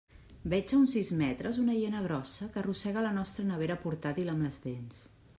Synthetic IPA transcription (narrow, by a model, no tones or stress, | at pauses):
bɛd͡ʒəunsizmɛt̪ɾəzunəjenəɣ̞ɾɔsəkərusɛɣ̞ələnɔst̪ɾənəβeɾəpuɾt̪at̪iləmləzðens